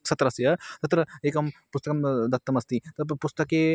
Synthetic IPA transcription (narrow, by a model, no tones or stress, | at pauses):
sɐt̪ɾɐsjɐt̪ɐt̪ɾɐeːkɐmpust̪ɐkɐmd̪ɐt̪ːɐmɐst̪it̪ɐpust̪ɐkeː